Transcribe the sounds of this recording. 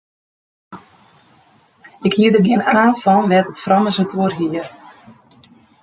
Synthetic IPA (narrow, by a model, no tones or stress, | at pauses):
ɪkhiədəɡɪənaaːnfɔnʋɛtətfrɑməsətʰuərɦiər